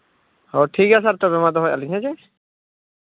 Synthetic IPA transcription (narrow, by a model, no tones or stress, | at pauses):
hɔʈʰikas̬aɾt̪ɔbɛmad̪ɔɦɔjaliŋat͡ʃɛ